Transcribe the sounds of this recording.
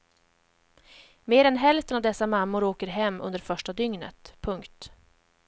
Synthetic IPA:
meːɾɛnɦɛlft̪ənavd̪ɛsːamamːʊɾoːkəɾɦɛmːɵ̰nd̪əɾfœʂʈad̪ʏŋnə̰t̪pʰɵŋkt̪

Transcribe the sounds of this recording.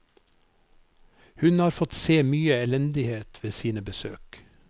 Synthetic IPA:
hʉnhɑːɾfɔt̪seːmyːəɛlɛnd̪ɪheːt̪ʰʋeːsiːnəbəsø̰ːk

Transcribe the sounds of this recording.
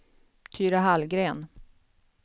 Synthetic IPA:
t̪ʰyːɾaɦalɡɾeːn

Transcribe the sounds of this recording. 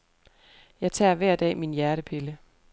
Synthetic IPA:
jɑ̈ɪt͡sʰæ̰ɐʋæɐ̰d̥ɛ̰ːminjæɐɾ̥əpʰe̝lə

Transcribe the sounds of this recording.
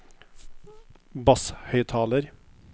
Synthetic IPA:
bɑshœʏt̪ʰɑːləɾ

